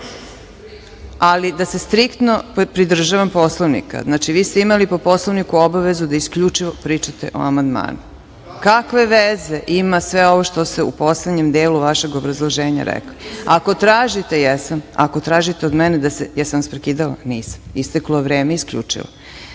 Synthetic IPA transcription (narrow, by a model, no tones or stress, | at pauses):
alid̪asest̪ɾikt̪no̞pɾid̪r̩ʒaʋamposlˠoʋnḭka̰znaːt͡ʃiʋiːst̪eimalipo̞po̞slˠoʋnikuobaʋe̞zud̪aiskʎut͡ʂiʋopɾiːt͡ʃat̪ḛʔo̰amand̪ma̰ːnu | kakʋe̞ʋezeʔimasʋeo̞ʋoʃt̪o̞st̪eṵpo̞sled̪ɲemd̪eːluʋaʃe̞ɡo̞bɾazlˠoʒeːɲa̰ɾɛ̰kliako̞t̪ɾaːʒit̪ejɛsama̰kot̪ɾaːʒit̪eo̞d̪mɛned̪asejɛsamspɾekiːd̪ala̰niːsḁmist̪ekloʋɾeːmeiskʎṵːt͡ʂḭlo̰